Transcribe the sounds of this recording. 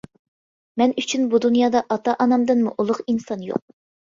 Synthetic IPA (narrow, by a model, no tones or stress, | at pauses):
mɛnyt͡ʃʰynbud̪unjɑːd̪ɑʔɑt̪ɑʔɑnɑmd̪ɨnmṵʔulˠʊqinsɑnjo̰q̚